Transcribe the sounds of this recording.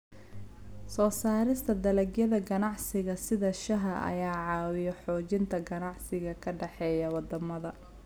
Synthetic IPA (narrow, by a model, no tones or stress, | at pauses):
sɔːsaːɾɪst̪ʰɐd̪ɐlɐɡjɐðɐɡɐnɑʕsɪɣɐsɪðɐʃɐɦɐʔɐ̰jaːʕɑːwɪjɔħɔːt͡ʃɪnt̪ʰɐɡɐnɑʕsɪɣɐkʰɐɖɛħɛːjɐwɑd̪ɐmɐðɐ